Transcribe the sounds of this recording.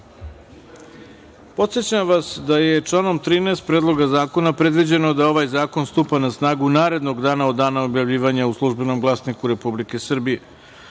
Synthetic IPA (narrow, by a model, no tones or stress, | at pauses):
po̞t̪sjet͡ɕamʋasd̪ajet͡ʂlˠaːno̞mt̪ɾiːneːst̪̚pɾed̪lˠo̞ɡazaːko̞napɾe̞d̪ʋid͡ʑe̞no̞d̪ao̞ʋaːjzaːko̞nst̪upanasnaːɡunaːɾe̞d̪no̞ɡd̪aːnaod̪ːaːnao̞bjaʋʎʲiːʋaɲauslˠuʒbe̞no̞mɡlˠasnikuɾe̞publike̞sr̩bije̞